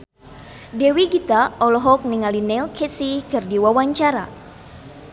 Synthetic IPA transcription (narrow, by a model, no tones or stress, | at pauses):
dewiɡit̪aɔlɔɦɔk̚niŋalinɛlkʰɛsikɨrdiwawaɲt͡ʃaɾa̰